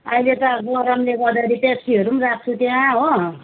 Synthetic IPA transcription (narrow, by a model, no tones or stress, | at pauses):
ʌilet̪ʌɡʌɾamleɡʌd̪akʌɾipeksiɦʌɾumrak̚ʰt͡sʰut̪jãɦo